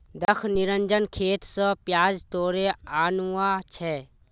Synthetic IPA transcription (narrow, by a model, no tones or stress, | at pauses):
d̪əkʰnɪɾənd͡ʒənkʰeːt̪sə̃pjaːd͡ʒt̪oːɾeaːnuːãt͡ʃʰɛː